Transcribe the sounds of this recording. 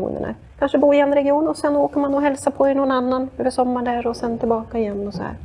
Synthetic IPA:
ṵːnə̰ɳa̰kkʰanʂəbuːɪjɛnːɾɛɡɪuːnɔsɛnoːkəɾmanɔɦɛlsapʰɔɛnɔnanːanøːvəʂɔmːaɖæɾɔsɛnt̪ʰɪlbɑːkaɪjɛnːɔsɔhæ̰ːɾ

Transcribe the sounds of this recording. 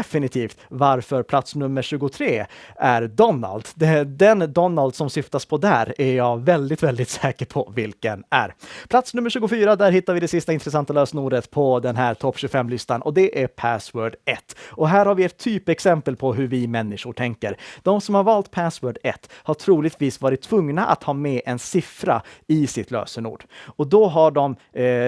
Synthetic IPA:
fɪnɪt̪ʰiːft̪vaɾfœɾpʰlat̪snɵmːəɕʉ̟ːɡʊt̪ʰɾeːʔæɾd̪ɔnːa̰ld̪d̪ɛd̪ɛnd̪ɔnːald̪sɔmsʏft̪aspʰɔd̪æːɾæɾjɑvɛld̪ɪt̪vɛld̪ɪt̪sɛːkəɾpʰɔ̰vɪlkənæ̰ɾpʰlat̪snɵmːəʂɕʉ̟ːɡʊfyːɾad̪æɾɦɪt̪ːaɾvɪd̪ɛsɪst̪aɪnt̪ɾɛsant̪aløːsnuːɾət̪pʰɔd̪ɛnɦæːɾt̪ʰɔpːɕʉɡfɛmːlʏst̪anʔɔ̰d̪ɛʔæɾpʰæswœːɖɛt̪ːɔɦæːɾhaɾvɪɛt̪ʰːyːpɛksɛmpəlpʰɔɦɵɾvɪmɛnːɪʂʊʈʰɛŋkəɾd̪̥ɔmsɔmhaɾvɑːlt̪pʰæswœːɖɛt̪ːhaʈʰɾuːlɪɡt̪viːsvɑːɾɪt̪ʰːvɵŋnaʔa̰t̪hɑːmɛʔɛnsɪfɾa̰ɪsɪt̪lø̰ːsənṵːɖ̥ɔd̪ɔɦaɖɔm

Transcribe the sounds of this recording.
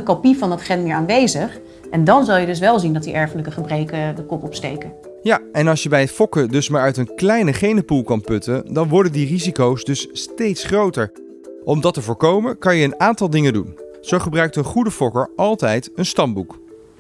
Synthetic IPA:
əkopifɑnɑtχɛnmɪːɹaːnʋejzəχ | ʔɛndɑnzɑlˠjədɵs̬ʋɛlˠzindɑtdiʔɛɹfələkəχəbrejkədəkɔpɔpstḛjkən | jaɛnɑlˠsjəbɛjətfɔkədɵsmaːɹœɥtənklɛjnəχejnəpulˠkɑnpøtəndɑnʋɔɹdəndirizikowsdɵsːtejtsχrowtəɹ | ʔɔmdɑtəvʊːɹkowmənkɑnjəːnaːntɑlˠdɪŋəndunz̥owχəbrœɥk̚tənχudəfɔkəɹɑlˠtɛjtənstɑmbuk

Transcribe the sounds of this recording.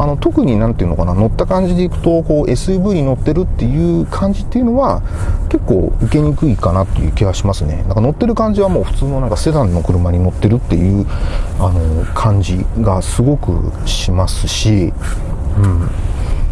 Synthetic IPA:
ano̞t̪o̞kɯ̟ɲ̟inãnt̪e̞iɯ̟nokanano̞t̪ːakãɲ̟d͡ʑid̪e̞ikɯ̥t̪o̞ko̞ːʔe̞sɨbɯːɲ̟ino̞t̪ːe̞ɾɯ̟t̪ːe̞jɯ̟ːkʰãɲ̟d͡ʑit̪ːe̞jɯ̟no̞βake̞kːo̰ːɯ̟ke̞ɲ̟ikɯ̟ikanat̪ːe̞jɯ̰ːkʲiɡaɕimasɨne̞̰nãŋkano̞t̪ːe̞ɾɯ̟kãɲ̟d͡ʑiβamo̞ːɸɯ̟̥t͡sɨːnoãŋkase̞d̪ãnːo̞kɯ̟ɾɯ̟maɲ̟ino̞t̪ːe̞ɾɯ̟t̪ːe̞̰jɯ̟ːano̞kʰãɲ̟d͡ʑiɡasɨɡo̞kɯ̟̰ɕimasɨ̥ɕi | ɯ̟̃ɴ

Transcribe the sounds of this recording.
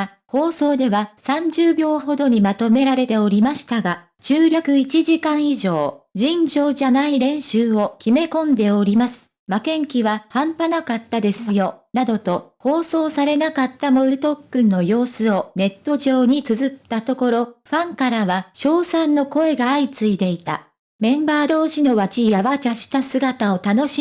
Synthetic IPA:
ho̞ːso̞ːd̪e̞βasãɲd͡ʑɨːbʲo̞ːɦo̞d̪o̞ɲ̟imat̪o̞me̞ɾaɾe̞t̪e̞o̞ɾʲimaɕi̥t̪aɡa | t͡ɕɨːɾʲakɯ̟it͡ɕiʑikãɰ̃iʑo̞ːd͡ʑĩɲd͡ʑo̞ːʑanaiɾẽ̞ɰ̃ɕɨːo̞kʲime̞kõ̞nd̪e̞o̞ɾʲimasɨ̥ | makẽ̞ŋkʲiβahãmpanakat̪ːad̪e̞sɨjo̞nad̪o̞t̪o̞ho̞ːso̞ːsaɾe̞nakat̪ːamo̞ɾɯ̟t̪o̞kːɯ̃nːo̞jo̞ːsɨo̞ne̞t̪ːo̞ʑo̞ːɲ̟it͡sɨzɨt̪ːat̪o̞ko̞ɾo̞ɸãŋkaɾaβaɕo̞ːsãnːo̞ko̞e̞ɡaːit͡sɨid̪e̞it̪a̰ | mẽ̞mbaːd̪o̞ːɕino̞βat͡ɕijaβat͡ɕaɕi̥t̪asɨɡat̪ao̞t̪ano̞ɕi

